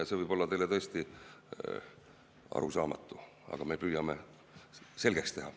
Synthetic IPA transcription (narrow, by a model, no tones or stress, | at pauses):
jɑse̞vɤjb̥o̞lːɑt̪e̞jlet̪ɤest̪i | ɑ̰ɾṵsɑːmɑ̰t̪ːˑu | ɑ̰ɡ̥ɑme̞pyːjɑme̞ | se̞lɡ̥e̞kst̪e̞ɦɑ